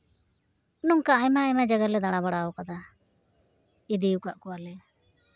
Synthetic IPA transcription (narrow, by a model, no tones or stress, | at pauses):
nɔŋkaːjmaːjmad͡ʒaɡalɛd̪aɽ̃abaɽawɔkad̪a | id̪iukaʔkɔwalɛ